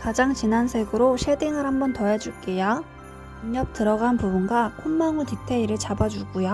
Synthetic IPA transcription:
kad͡ʑaŋt͡ɕinansʰe̞ɡɯɾoɕʰedeŋɯɾhambʌntʌed͡ʑuɭk͈eja | uŋɲʌp̚t͈ɯɾʌɡanpubunɡakʰomːaŋutitʰe̞iɾɯɭt͡ɕabad͡ʑuɡujo

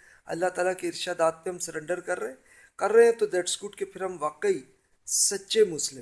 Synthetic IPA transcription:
ɐ̰lːaɦt̪aːlakeɪɾʃaːd̪aːt̪̚peɦɐmsɐɾɛ̃ɳɖəɾkɐɾːɐɦɛ̃ | kɐɾːɐɦeɛ̃t̪od̪ɛːʈskuːʈkepʰɪɾɦɐmʋaːqəi | sɐtːʃemʊslɪm

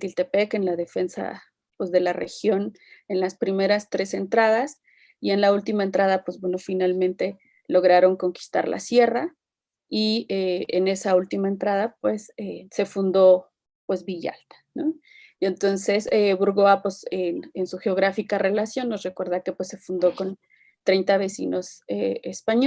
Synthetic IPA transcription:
t̪ilt̪e̞peke̞nlaðe̞fe̞nsa̰ | pwe̞zðe̞lare̞̰xjon | enlaspɾime̞ɾast̪ɾe̞se̞nt̪ɾað̞as | ie̞nlault̪imaent̪ɾaðapwe̞zβwe̞no̞finalmẽnt̪e̞ | lo̞ɣ̞ɾaɾo̞ŋko̞ŋki̥st̪a̰ɾlʔa̰sje̞ra | ieene̞sault̪imae̞nt̪ɾað̞apwe̞sese̞fund̪o̞ | pwe̞zβiʝa̰lt̪ḁno | ie̞nt̪o̞nse̞seβuɾɣoapwesenensuxe̞o̞ɣ̞ɾafikare̞lasjo̞nːosre̞kwe̞ɾðake̞pwesːe̞fund̪o̞ko̞n | t̪ɾe̞jnt̪aβe̞sḭno̞seespaɲ

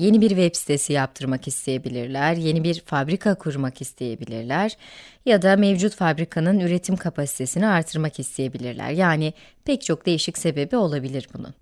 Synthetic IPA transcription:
je̞nibiɾvɛpsi̥t̪ʰe̞sijap̚t̪ʰɯɾmakist̪ʰe̞je̞bilʲiɾlʲæɾje̞nibiɾfabɾikʰakʰuɾmakist̪ʰe̞je̞bilʲḭɾlʲæɾ̥jad̪amevd͡ʒut̪fabɾikʰanɯnyɾe̞t̪ʰimkʰapʰasi̥t̪ʰe̞siniaɾt̪ʰɯɾmakist̪ʰe̞je̞bilʲiɾlʲæ̰ɾjaːni | pʰɛc̚t͡ʃʰo̞k̚d̪e̞jiʃicse̞be̞bio̞lˠabilʲiɾbunʊ̰

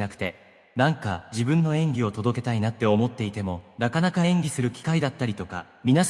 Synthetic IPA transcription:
nakɯ̟̥t̪e̞ | nãŋkad͡ʑibɯ̟̃nːo̞ẽ̞ŋɡʲio̞t̪o̞d̪o̞ke̞̥t̪ainat̪ːe̞o̞mo̞t̪ːe̞it̪e̞mo̞nakanakaẽ̞ŋɡʲisɨɾɯ̟kʲi̥kaid̪at̪ːaɾʲit̪o̞ka̰ | mʲina

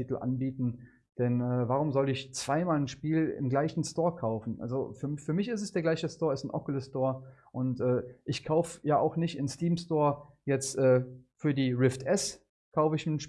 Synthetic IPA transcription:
iːtl̩ʔa̰nbiːtn̩ | d̥ɛnɛːvaːʁ̞ʊmzɔlɪçt͡sv̥aɪmaːln̩ʃpiːlɪ̰mɡlaɪçn̩stoːɐkʰaʊfn̩ʔa̰lzo̰fyːɐfyːɐmɪçɪstɛsd̥eːɡlaɪçəstoːɐɛsn̩ʔɔkələstoːɐʔʊntʔɛːʔɪçkʰaʊfəjaːʔa̰ʊxnɪçtɪnstiːmstoːɐ | jɛt͡stʔɛːfyːɐdiːʁɪftʰʔɛs | kʰaʊfəɪçnʃ

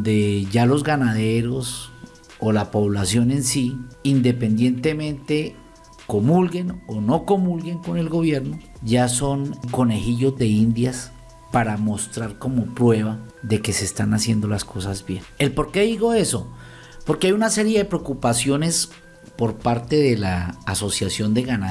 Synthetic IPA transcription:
d̪e̞ʝalo̞zɡanaðe̞ɾo̞s | o̞lapo̞βlasjo̞ne̞nsiind̪e̞pe̞nd̪je̞nt̪e̞mẽ̞nt̪e̞ | ko̞mulɡe̞no̞no̞ko̞mulɡe̞ŋko̞ne̞lɡo̞βje̞ɾno | ʝaso̞ŋko̞ne̞xiʎo̞zd̪e̞ind̪jas | paɾamo̞st̪ɾaɾko̞mo̞pɾwe̞βaðe̞ke̞se̞ːst̪anasje̞nd̪o̞lasko̞sazbjene̞lpo̞ɾke̞ðiɣo̞e̞so̞ | po̞ɾkeajunase̞ɾjeðe̞pɾeokupasjo̞ne̞s | po̞ɾpaɾt̪e̞ðe̞laːso̞sjasjo̞nd̪e̞ɣana

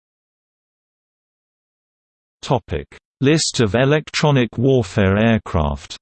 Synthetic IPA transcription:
tʰɒpʰɪ̰k | lɪstəvɪlɛk̚tʰɹ̥ɒnɪkʰwɔːfɛːɹɛːkʰɹ̥ɑ̰ˑft

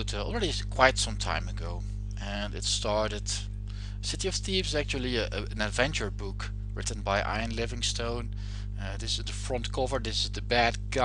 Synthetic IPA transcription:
tɔ̰lˠɹɛɾi | kʰw̥aɪtsʌ̃mtʰã̰ɪ̃mɨɡoʊ | ʔɨ̃nɨ̰tstɑɹɾɨd̥ | əsɪɾiʌv̥θivzæk̚t͡ʃul̩ˠi | ɨ̃nɨdvɛ̃nt͡ʃə˞bʊk | ɹɪ̰ʔn̩baɪʔa̰ɪɨ̃nlɪvɪ̃ŋstʰõʊ̃n | ðɪsɨ̃nðəfɹʌ̃ntkʰovə˞ðɪsɨzðɨbæd̚ɡa

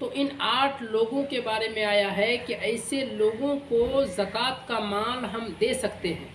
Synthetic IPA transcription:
t̪oʔɪnaːʈʰloːɡõkebaːɾemẽaːjaɦɛkiʔɛːɪseloːɡõkozɐkaːt̪kamaːlɦɐmd̪eːsɐkt̪eɦɛ̃ː

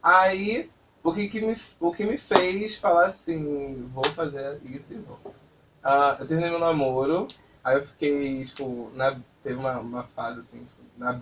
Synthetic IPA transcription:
ai | ʊkɪkɪmɪfʊkɪmɪfejsfalaasĩvofazeɾaisivo̰w | ɐ̃ewt̪ehminejmewnamoɾʊ | aiewfi̥kejt͡ʃi̥pʊnɐt̪evɪũmɐũmɐfazɪasĩt͡ʃi̥pʊnɐ

